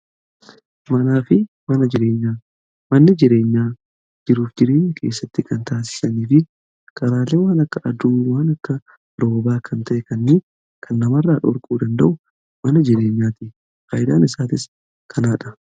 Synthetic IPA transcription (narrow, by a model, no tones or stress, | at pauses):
mɐnaːfɪ | mɐnɐd͡ʒɪɾe̞ːɲːaː | mɐnːɪd͡ʒɪɾe̞ːɲːaː | d͡ʒɪɾuːfd͡ʒɪɾe̞ːɲːɐkʰe̞ːsːɐt̪ːɪkɐnt̪aːs̬ɪ̥sɐniːfɪ | kʼɐɾaːlːeːwaːnɐkːɐʔɐd̪uːwaːnɐkːɐ | ɾo̞ːbaːkʰɐnt̪ɐʔɛkɐnːɪ | kʰɐnːɐmɐrːaːᶑɔɾkʼuːd̪ɐnd̪ɐʔʊ | mɐnɐd͡ʒɪɾe̞ːɲːaːt̪ɪ | kaːjɪd̪aːnɪsaːt̪ɪs | kʰɐnaːᶑɐ